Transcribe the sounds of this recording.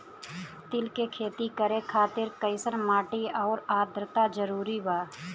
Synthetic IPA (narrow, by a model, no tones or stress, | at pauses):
t̪ɪlkekʰeːt̪ikəɾekʰaːt̪ɪɾkəɪsənmaːʈiɔːɾaːd̪ɾət̪ad͡ʒəɾuːɾibaː